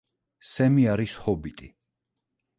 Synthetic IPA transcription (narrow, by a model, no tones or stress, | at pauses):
sɛmiaɾishɔbit̪ʼi